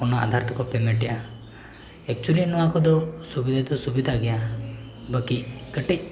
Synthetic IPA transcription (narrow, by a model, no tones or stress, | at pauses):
ɔnaa̰d̪ʱaɾt̪ɔkɔpɛmɛʈɛja | ɛk̚t͡ʃulinɔakɔd̪ɔsubid̪ʱad̪ɔsubid̪ʱaɡɛja | bəkikəʈic̚